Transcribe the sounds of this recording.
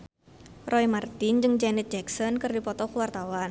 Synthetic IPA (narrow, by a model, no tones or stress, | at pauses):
rɔimart̪ɪnd͡ʒɨŋd͡ʒɛnit̪̚d͡ʒɛksɔnkɨrdipɔt̪ɔkuwart̪awan